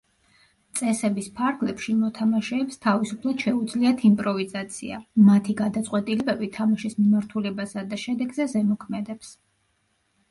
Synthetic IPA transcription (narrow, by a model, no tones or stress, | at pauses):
t̪sʼɛsɛbispʰaɾɡlɛpʃimɔt̪ʰamaʃɛːpst̪ʰavisupʰlˠad̪̥ʃɛud̪zliat̪ʰimpʼɾɔvizat̪sʰḭa̰mat̪ʰiɡad̪at̪sʼqʼwɛt̪ʼilɛbɛbit̪ʰamaʃismimaɾt̪ʰulɛbasad̪aʃɛd̪ɛɡzɛzɛmɔkʰmɛd̪ɛps